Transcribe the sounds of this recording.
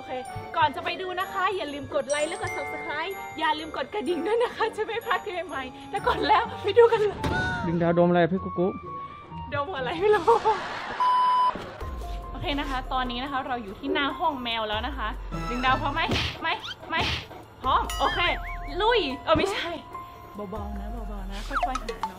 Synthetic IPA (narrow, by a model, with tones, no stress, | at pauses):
ʔoː˧kʰeː˧kɔː˨˩nt͡ɕa˨˩pa˧jduː˧na˦˥kʰa˦˥jaː˨˩lɯː˧mko˨˩t̪̚la˧˥jlɛː˦˥wka˧˩so˨˩p̚sa˧kʰɾaː˦˥j | jaː˨˩lɯː˧mko˨˩t̪̚ka˧˩di˨˩ŋdɯ˧˥˩jna˦˥kʰa˦˥t͡ɕa˧˦ma˥˩jpʰaː˥˩k̪̚ʰi˧˩ma˧˥˩jma˧˥jt̪ɛː˧˩kɔː˨˩nlɛː˦˥˩wpa˧jduː˧ka˧nlɤː˧˩jdi˨˩ŋdaː˧wdoː˧m˨la˧ja˨˩pʰiː˧˥˩kuː˧˩kuː˦˥ | doː˧mhɯː˨˩˨la˧˦jhu˧˥˩laː˧˥˦w | ʔoː˧kʰeː˧na˦˥kʰa˦˥t̪ɔː˧nːiː˦˥na˦˥kʰa˦˥ɾa˧wjuː˨˩t̪ʰiː˥˩naː˥˩ŋɦɔ˥˩ŋmɛː˧wlɛː˦˥wna˦˥kʰa˦˥ʔdɯ˨˩ŋdaː˧wpʰɔ˦˧˥ma˦˥jma˦˥˩jma˦˥j | pʰɾɔː˦˥˨mʔoː˧kʰeː˧˩lu˧˥˩jʔoː˧ma˥˩jt͡ɕʰa˥˩j | bɔː˨˧˦bɔː˧˩ŋna˦˥bɔː˧˩bɔː˧ŋna˦˥kʰɔ˧˥˩jkʰɔː˧˩jkʰa˧naː˨˦˩nɔ˦˥